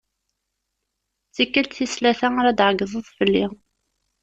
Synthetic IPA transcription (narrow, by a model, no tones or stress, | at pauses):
t͡sːikːəlt̪θislæθæaɾæd̪ʕəɡːəðˤəðˤfəlːi